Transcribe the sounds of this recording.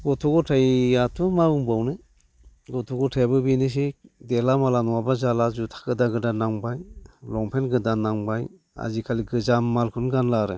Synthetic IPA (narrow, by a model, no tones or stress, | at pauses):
ɡɔtʰɔɡɔtʰajatʰumauŋbawnɯ | ɡɔtʰɔɡɔtʰajbɯbinɯs̬edelamalanɔwabazalazutʰḁkɯdaɡɯdanaŋbajlɔŋpʰenɡɯdanaŋbaj | a̰zikʰaliɡɯzamːalkʰɯnɡanlaɾɯ